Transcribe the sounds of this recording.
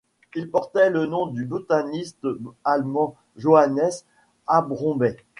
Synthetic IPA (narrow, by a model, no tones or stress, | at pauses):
ilpɔʁt̪ɛlənɔ̃d̪ybot̪anist̪almɑ̃ | ʒoanɛs | abʁɔ̃bɛ